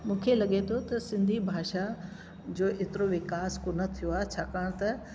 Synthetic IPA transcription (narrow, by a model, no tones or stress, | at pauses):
mũːkʰelɐɠet̪ʰot̪ɐsɪ̃nd̪ʱibʱaːʃa | d͡ʑoːʔet̪ɪɾoʋɪkaːskonɐt̪ʰijoaːet͡ɕʰaːkaːɽ̃t̪ɐ